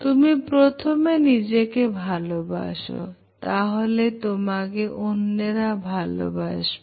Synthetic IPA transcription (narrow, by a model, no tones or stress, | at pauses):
t̪umipɾot̪ʰomenid͡ʑekebʱaloba̰ʃo̰ | t̪aɦolet̪omakeʔonːeɾabʱalo̰ba̰ʃ